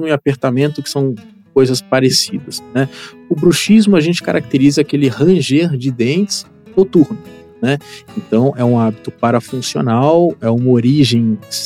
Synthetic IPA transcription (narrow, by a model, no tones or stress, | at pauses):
mʊɪapeɾt̪amẽnt̪ʊkɪ̥sɐ̃w̃ | kojzɐspaɾesid̪ɐsnɛ | ʊbɾuʃizmʊaʒẽnt͡ʃɪ̥kaɾʔak̚t̪eɾizɐakelɪhɐ̃ʒeɾd͡ʒɪd̪ẽnt͡ʃɪs | not̪uɾnʊ | nɛẽnt̪ɐ̃w̃ɛũabit̪ʊpaɾɐfũsio̰nawɛũmɐoɾiʒẽj̃s